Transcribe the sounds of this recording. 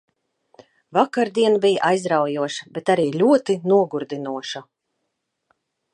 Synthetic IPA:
vakaɾd̪iɛnbijʔajzɾawjuɔʃḁbɛt̪aɾiːlʲuɔt̪inuɔɡuɾd̪inuɔʃa

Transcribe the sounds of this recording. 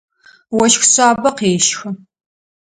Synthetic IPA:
wɔʃxɕʷaːbɐqeːʃxɐ

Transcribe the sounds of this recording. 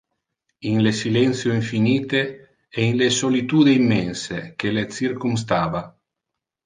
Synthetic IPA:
iŋlesilɛnt̪sjoiɱfiniːt̪e | einlesolit̪uːd̪eimːɛnsekelet̪sirkums̬t̪aːva

